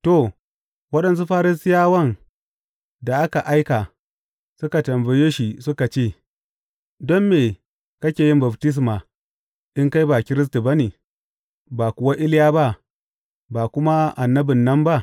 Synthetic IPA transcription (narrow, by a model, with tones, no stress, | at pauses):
to˨ | wɐ˦ɗɐ˨ns̬u˦ɸaː˦ɾɪ˦sɪ˦jaː˦wɐ˦n | da˨ʔa˦ka˨ʔa˦jka˨ | sʊ˦ka˨tɐ˨mbɐ˨jeː˦ʃi˨sʊ˦ka˨t͡ʃeː˦˨ | dɔ˦mːeː˨ | kɐ˦kʲeː˨jɪ˦mba˨btɪ˦s̬maː˨ | ʔɪ˦ŋka˦jba˨kʲɪ˦ɾɪ˦s̬tu˨ba˦neː˨ | ba˨kʷʊ˨wa˦ʔɪ˦ljaː˦ba˦ʔ | ba˨kʷʊ˦ma˦ʔa˨nːɐ˦bɪ˨nːɐ˦mba˦ʔ